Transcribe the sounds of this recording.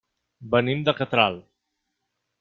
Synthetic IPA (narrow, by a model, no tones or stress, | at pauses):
bənimd̪əkət̪ɾalˠ